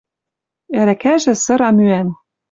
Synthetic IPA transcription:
æɾækæʒɘ̆sɤ̆ɾɑmyæn

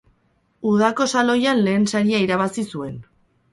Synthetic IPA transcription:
uð̞ako̞salojanle̞ːnsaɾiaiɾaβ̞asisue̞n

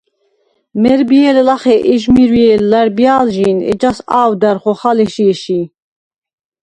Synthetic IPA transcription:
mɛɾbiɛlɛlaχɛʔɛʒmiɾwiɛllaɾbjaːlʒinɛ̰d͡ʒasaːwd̪aɾχɔχalɛʃiɛʃi

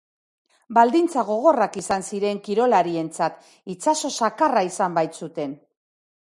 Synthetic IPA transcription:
bald̪int͡saɣo̞ɣ̞o̞rakisansiɾe̞ŋkiɾo̞laɾie̞nt͡sat̪ | it͡saso̞sakaraisambajt̪sut̪e̞n

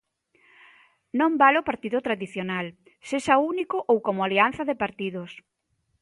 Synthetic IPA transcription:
nõmbalopaɾt̪iðʊt̪ɾaðiθjonal | seʃaunikʊʔowkomʊalian̟θɐðɪpaɾt̪iðʊs

